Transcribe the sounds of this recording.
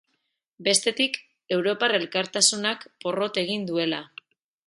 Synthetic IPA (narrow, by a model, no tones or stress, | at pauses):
be̞st̪e̞t̪ik | e̞wɾo̞pare̞lkaɾt̪asunakpo̞ro̞t̪e̞ɣ̞ind̪ue̞la